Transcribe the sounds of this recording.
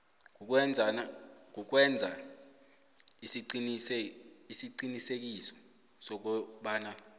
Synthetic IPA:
uwɛnd͡zʱ | k̬uk̬wɛnd͡zʱa | ii | isiǃinisek̬isɔ̥ | sɔk̬uɓaːna

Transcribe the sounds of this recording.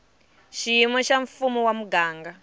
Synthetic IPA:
ʃijimɔʃaɱfumuwamuɡaːŋɡa

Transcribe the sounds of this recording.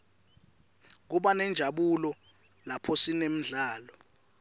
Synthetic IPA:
k̬uɓanɛnd͡ʒʱaɓulɔ | lapʰosinem̩ɮaːlɔ

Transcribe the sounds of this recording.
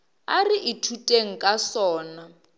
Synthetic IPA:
ariʔitʰutʼeŋ̩kʼasɔːna

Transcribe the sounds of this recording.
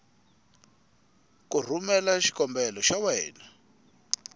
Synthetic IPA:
kur̤umɛlaʃi̥kɔmbɛlɔʃawɛːna

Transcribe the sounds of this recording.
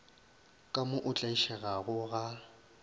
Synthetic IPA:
kʼamʊʔʊt͡ɬʼaʃɛɣaɣʊɣa

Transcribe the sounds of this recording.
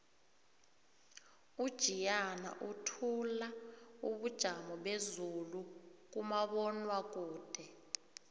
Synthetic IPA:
ud̥ʒ̥ʱijana̰ʔutʰulauɓud̥ʒ̥ʱamɔɓezuluk̬umaɓɔnwak̬ʼuːd̥ʱɛ

